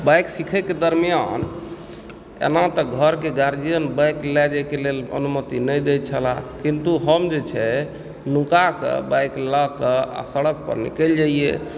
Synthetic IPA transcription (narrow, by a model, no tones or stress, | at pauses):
bajksikʰɛked̪əɾmijan | ḛnat̪ɔɡʱəɾkeɡaɾd͡ʒijənbajklɛd͡ʒɛkelelə̰numət̪inəjd̪et͡ʃʰəlakint̪uɦəmd͡ʒet͡ʃʰɛ | nukakə̰bajklakəa̰səɽək̚pə̰ɾnḭkɛld͡ʒaijḛ